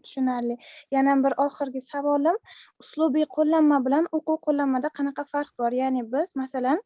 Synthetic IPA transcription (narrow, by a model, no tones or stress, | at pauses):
t̪ʰʊ̥ʃʊnaɾlɪjanambɪɾʔɒχɨɾɡʲɪsavɒlˠɪmʊslˠʊbijqʰolˠːanːabɪlanoqʊwqʰolːanmːad̪aqʰɑnɑqʰɑfaɾqbɒɾjanɪbɪzmasalan